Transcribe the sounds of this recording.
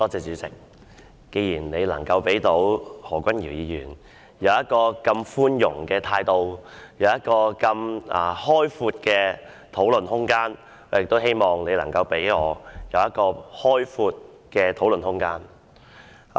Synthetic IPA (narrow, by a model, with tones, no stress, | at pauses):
t̪ɔː˥t͡sɛː˧t͡syː˨˥t͡sɪ̰˨˩k̚ | ke˨˧jiː˨˩nne˨˧jlɐ̰˨˩ŋkɐ˧wpe˨˥jt̪o˨˥whɔː˨˩kʷɐ˥nji˨˩wjiː˨˧jy̰ː˨˩n | jɐ˨˧wjɐ˥t̚kɔː˧kɐ˧mfuː˥njʊ˨˩ŋkɛː˧t̪ʰaː˧jt̪o˧wjɐ˨˧wjɐ˥t̚kɔː˧kɐ˧mɐː˨˩hɔː˥jfuː˧t̚kɛː˧ | t̪ʰo˨˥wlɵ˨nhʊ˥ŋkaː˥n | ɔː˨˥jɪ˨k̚t̪o˥wɦe˥jmɔː˨ŋne˨˧jlɐ̰˨˩ŋkɐ˧wpe˨˥jŋɔː˨˧jɐ˨˧wjɐ˥t̚kɔː˧hɔː˥jfuː˧t̚ | kɛː˧t̪ʰo˨˥wlə˨nhʊ˥ŋkaː˥n